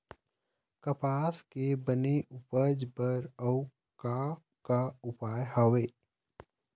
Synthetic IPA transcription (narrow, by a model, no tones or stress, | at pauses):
kəpaːskebəneʔʊpəd͡ʒbəɾəw | ka | kaʊpaːjɦaːweː